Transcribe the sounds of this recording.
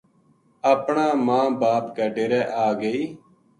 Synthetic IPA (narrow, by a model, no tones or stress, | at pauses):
əpɳãːmãːbaːpkəɖeːɾɛːʔaːɡəiː